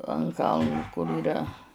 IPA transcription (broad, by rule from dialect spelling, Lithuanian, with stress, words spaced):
ɐn ˈkɐlˠnʊ kʊr iːˈrɐ